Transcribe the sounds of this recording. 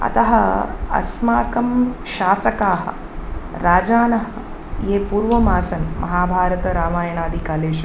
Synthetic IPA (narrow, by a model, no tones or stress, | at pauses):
ɐ̰t̪ɐɦɐɐ̰smaːkɐmʃaːsɐkaːɦɐ̰̆ | ɾaːd͡ʒaːnɐɦɐ | jeːpuːɾʋɐmaːsɐnmɐ̰ɦaːbʱaːɾɐt̪ɐɾaːmaːjɐɳaːd̪ʱikaːleːʃ